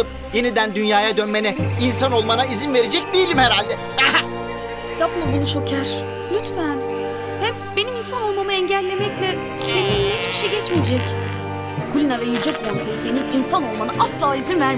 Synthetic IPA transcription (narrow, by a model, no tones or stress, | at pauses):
ɯp̚ | jenid̪ænd̪ynjaːjad̪ønme̞nɛinsano̞lˠmanaizinve̞ɾed͡ʒɛc̚d̪ijilʲimheɾalʲd̪ɛ | hɛɦɛ | japmabunuʃo̞cʰaɾ̥ | lʲyt̪fæn | hɛm | beniminsano̞lˠmamɯɛɲɟælʲːe̞mɛclʲɛ | senihit͡ʃbiʃɛɟɛt͡ʃmid͡ʒɛc | kʰulʲinavɛjid͡ʒɛkbolˠsajiseniinsano̞lˠmanaʔaslˠaːizinvæɾ